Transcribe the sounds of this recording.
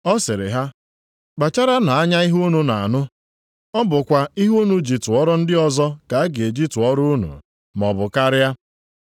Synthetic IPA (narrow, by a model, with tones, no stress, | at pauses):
ɔ˦sɪ˨ɾɪ̰˨ɦa˦ | ɡ͡ba˨t͡ʃa˦ɾa˦na˨a˦ɲa˦i˦ɦu˦nu˨na˨nʊ˦ | ɔ˦bʊ˨kʷa˨i˦ɦu˦nu˨˦d͡ʒi˨tʊ˨ɔ˦ɾɔ˦n̩˦dɪ˦ɔ˨zɔ˦ka˨a˦ɡɪ˨e˨d͡ʒi˦tʊ˨ɔ˦ɾʊ˦u˦nṵ˨ | m˨ɔ̰˨bʊ˨ka˦ɾɪ˦ja˦